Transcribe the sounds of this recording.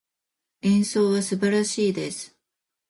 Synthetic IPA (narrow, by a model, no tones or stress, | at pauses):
ẽɰ̃soːβasɨbaɾaɕiːd̪esɨ̥